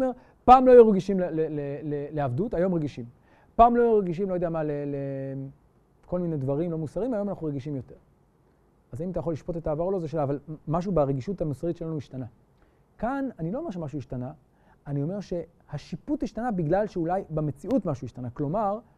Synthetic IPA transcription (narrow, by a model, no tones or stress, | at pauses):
meʁ | paːmlo̞joʁɡiʃimleleleleleavdutajo̞mʁeɡiʃim | paːmlo̞joʁɡiʃ̬imlojodeamalele | ko̞lminedvaʁimlo̞musaʁimajo̞manaχnuʁeɡiʃimjo̞te̞ʁ | azaimatajaχo̞lːiʃpo̞te̞taːvaʁolo̞zeʃelaːvalmaʃ̬ubaʁeɡiʃuthamosaʁitʃe̞lanuiʃtana | kananiloome̞ʁʃemaʃ̬uiʃtana | anio̞me̞ʁʃe̞ | haʃiputhiʃtanabiɡlalʃeulajbemet͡siutmaʃuiʃtanaklo̞maʁ